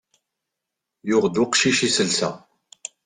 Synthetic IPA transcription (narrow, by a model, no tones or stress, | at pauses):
jʊʁd̪ʊqʃiʃisəlsæ̰